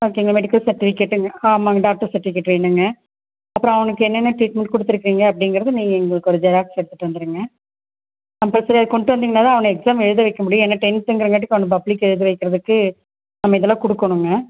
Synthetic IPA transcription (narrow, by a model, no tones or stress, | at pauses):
ɐkɛŋɡɐmɛɽɪkːɐlsɐɾʈːɪfɪkeːʈːɯŋɡɐamaɐɖaːk̚ʈɐɾsɐɾʈːɪfɪkːeːʈːʋeːɳɖɯŋɡɐ | ɐpːɯɾõːɐʋɐnɐkːɯɛnːɛnːɐʈɾiːʈmɛɳʈ̚kɔɽɯt̪ːɯɾɯkːɾiːŋɡɐːp̬ːɽɪŋɡɪɾɐðɯniːŋɡɐɛŋɡɐɭɯkːɔɾɯd͡ʒɐɾaːksɛɽɯt̪ːɯʈːɯʋɐnd̪ɯɾɯːŋɡɐ | ɐpːosɐɾiɐðɯkɔɳɖɯʋɐnd̪ɯŋɡɐnaːt̪ãːɐʋɐnɐɛksaːmɛɻɯðɯʋɐɪkːɐmʊɽijɔ̃ɛnːɐʈɛnsɛŋɡɪɾɯŋɡɐʈːɯkːɐʋɐnɐbɐblikːɛɻɯðɯʋɐɪkːɪɾɐðɯkːɯ | nɐmːɐɪðɛlãːkɔɽɯkːɐɳɯŋɡɐ